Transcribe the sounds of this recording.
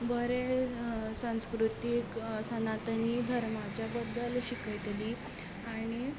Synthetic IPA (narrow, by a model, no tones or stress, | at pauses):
bəɾe | sãw̃skɾut̪iksənat̪ənid̪ʱəɾmad͡ʑjabəd̪ːəlɕikəjt̪li | aɽ̃i